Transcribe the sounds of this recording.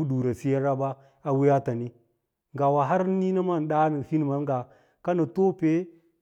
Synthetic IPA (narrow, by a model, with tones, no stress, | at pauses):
u˦du˨ɾa˨si˦ja˦ɾa˦ba˦ | a˨wi˦ja˦ta˨ni˦ | ŋɡa˨wa˨ɦa˦ɾni˦na˦ma˦˨n˨ɗa˦ni˨fi˦n˨ma˨n˦ɡa˨ | ka˦na˨to˦pe˦